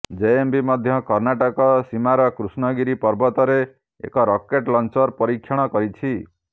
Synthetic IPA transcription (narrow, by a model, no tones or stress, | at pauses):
d͡ʒeembimɔd̪ʱjɔkɔɾnaʈɔkɔsimaɾɔkɾusnɔɡiɾipɔɾbɔt̪ɔɾe | ḛkɔɾɔkeʈlɔnt͡ʃɔɾpɔɾikʰjɔɽ̃ɔkɔɾit͡ʃʰi